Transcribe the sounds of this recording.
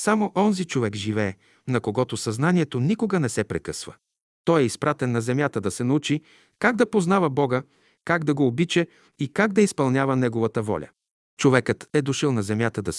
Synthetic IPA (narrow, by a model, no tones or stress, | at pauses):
samoʔɔnzit͡ʃovɛkʒivɛː | nɐkoɡɔt̪osɐznaniɛt̪onikoɡənɛsɛpɾɛkɤsvə | t̪ɔjɛispɾat̪ɛnːɐzɛmjat̪əd̪ɐsɛnɐut͡ʃi | kaɡ̚d̪ɐpoznavɐbɔɡə | kaɡd̪ɐɡoːbit͡ʃɛ | ikaɡd̪ɐispɐlˠnʲjavənɛɡovɐt̪əvɔ̰lʲɐ̰ | t͡ʃovɛkət̪ɛd̪oʃilˠnɐzɛmjat̪əd̪ɐs